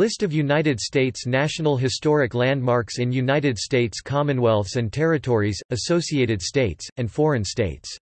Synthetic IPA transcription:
lɪstʌvjʉnaɪɾɨdsteɪtsnæʃn̩l̩ˠɦɨstɔɹɨklæ̃nd̚mɑɹksɨ̃njʉnaɪɾɨd̥steɪtskʰɑmɨ̃nwɛlˠθsɨ̃ntʰɛɹɨtʰɔɹizɨsoʊsieɪɾɨd̥steɪtsɨ̃ndfɔɹɨ̃nsteɪts

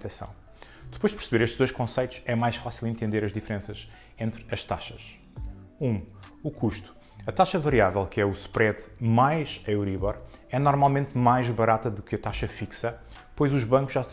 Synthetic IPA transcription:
t̪ɛsɐ̰̃w̃ | d̪ɨpojʒd̪pɾsβeɾeʃt̪ʒd̪ojʃkõsɐjt̪u̥ʃɛmajʃfasilˠẽnt̪ẽnd̪eɾɐʒd̪ifɾẽsɐʃ | ẽnt̪ɾɐʃt̪aʃɐʃ | ũukuʃt̪u̥ | ɐt̪aʃɐvɐɾiavɛlˠkɛuspɾɛðmajʃeɾiβɔɾɛnɔɾmalˠmẽnt̪majʒβɐɾat̪ɐðukɐt̪aʃɐfiksɐ | pojzuʒβɐ̃ŋkuʒa

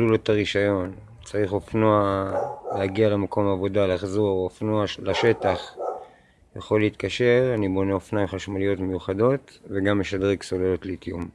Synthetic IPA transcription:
lulo̞t̪aʁiʃajo̞n | t͡saʁiχofnoaleaɡialemako̞maːvo̞dalaχzo̞ʁofnoalaʃe̞taχ | jaχo̞lːeit̪kaʃe̞ʁanibo̞neofnajmχaʃmalijo̞tmejuχado̞tveɡamːe̞ʃadʁekso̞lelo̞tletjum

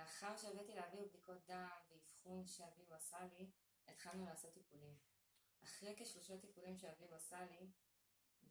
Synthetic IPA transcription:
eaχaʁʃeavatileavib̚d̪iko̞t̚d̪amveifχunʃeaviuasali | et̪χalnulaːso̞t̪ːipulim | ʔaχʁeke̞ʃlo̞ʃat̪ipulimʃeaviuasali

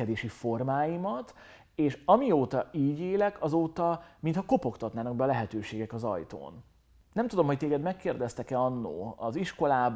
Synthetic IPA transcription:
ɛd̪eːʃifo̞rmaːjimɒt̪ | eːʃɒmioːt̪ɒiːɟeːlɛkɒzoːt̪ɒmint̪hɒko̞po̞kt̪ɒt̪naːnɒɡ̚bɛːlɛɦɛt̪øːʃeːɡɛkɒzɒ̰jt̪o̰ːn | nɛmt̪ud̪o̞mɦo̞c̚t̪eːɡɛd̪mɛkːeːrd̪ɛst̪ɛkɛɒnːo̰ːɒziʃko̞laːb

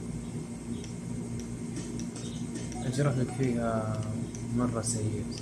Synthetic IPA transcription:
ʔad͡ʒɾˤɑhlakfiːha | mɑrˤːɑsajɪ

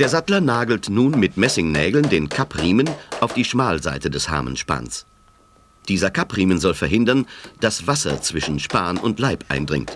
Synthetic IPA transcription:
d̥eːɐzatlɐnaːɡl̩tnuːnmɪtmɛsɪŋnɛːɡl̩ndeːnkʰapʁiːmənʔaʊfd̥iːʃmaːlzaɪtədɛsha̰ːmə̰nʃpa̰ːns | d̥iːzɐkʰapʁiːmənzɔlfɛɐɦɪndɐnd̥asv̥asɐ̰t͡sv̥ɪʃn̩ʃpaːnʔʊ̰ntlaɪpʔa̰ɪ̃ndʁɪ̰ŋt

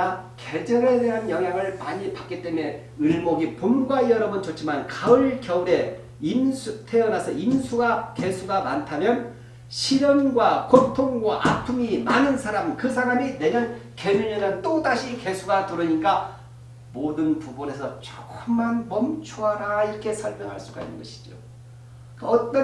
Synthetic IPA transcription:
ake̞d͡ʑʌɾe̞de̞ɦanjʌŋɦjaŋɯɭmaɲipak͈it͈e̞me̞ | ɯɭmoɡipomɡwaiʌɾʌbɯnt͡ɕot͡ɕ͈ʰimankaɯɭkjʌune̞ | insʰutʰe̞ʌnasʰʌinsʰuɡake̞sʰuɡamantʰamjʌn | ɕʰiɾʌŋnɡwakotʰoŋɡwaʔapʰumimanɯnsʰaɾamkɯsʰaɾamine̞ɲʌnkemiɲenʌnt͈odaɕʰike̞sʰuɡatuɾɯɲik͈a | modɯnpubone̞sʰʌt͡ɕokʌmmːanmʌmt͡ɕʰuɦaɾaiɾʌkʰe̞sʰʌɭmjʌŋɦaɭs͈uɡa̰inːɯ̰nɡʌɕʰi̥d͡ʑo̰ | kʌt͈ʌ

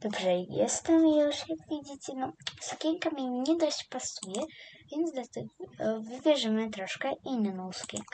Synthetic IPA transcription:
d̪̥ɔbʐɛjɛ̰st̪ɛmjuʂjakvʲjed͡ʑit͡ɕɛnɔsukʲɛŋkamʲiɲʲɛd̪ɔɕt͡ɕpasujɛvʲɛnt̪zd̪lʲat̪ɛɡɔvɘbʲjɛʐɘmɘt̪ɾɔʂkɛʔinːnɔwsu̥kʲɛ̰ŋk

